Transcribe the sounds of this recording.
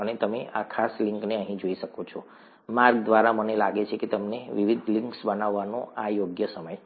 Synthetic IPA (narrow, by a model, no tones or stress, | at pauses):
ənet̪əmeʔakʰasliŋkneəɦĩd͡ʒoiʃəkot͡ʃʰɔ | maɾɡd̪ʋaɾamənelaɡet͡ʃʰeket̪əmneʋiʋid̪ʱlĩŋksbənaʋːanõajoɡjəsəməj